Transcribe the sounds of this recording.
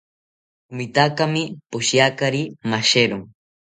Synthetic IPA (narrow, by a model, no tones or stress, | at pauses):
mɪt̪akamɪpʊʃjakaɾimaʃeɾʊŋ